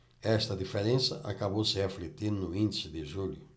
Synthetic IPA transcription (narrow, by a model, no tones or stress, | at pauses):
ɛst̪ɐd̪ifeɾẽnsɐʔa̰kaβowsɪaflit̪ĩnʊĩnd̪isɪd̪ɪʒuljʊ